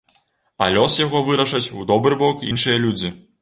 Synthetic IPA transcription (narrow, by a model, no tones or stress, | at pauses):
ɐ̰lʲɔsjaɣɔvɨɾɐʂɐt͡sʲud̪ɔbɾɨbɔkḭnʂɨjɐlʲud͡zʲi